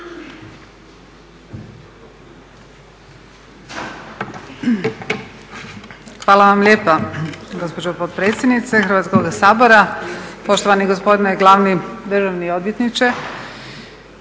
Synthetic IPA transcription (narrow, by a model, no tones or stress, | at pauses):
xʋaːlaʋamlʲeːpaɡo̞spod͡ʑopod̪pɾeːt̪sʲjed̪nit̪sexrɾʋat̪sko̞ɡasaːbo̞ɾapo̞ʃt̪oʋaniɡospo̞d̪ineɡlˠaːʋnid̪r̩ʒaʋniod̪ʋjet̪nit͡ʃe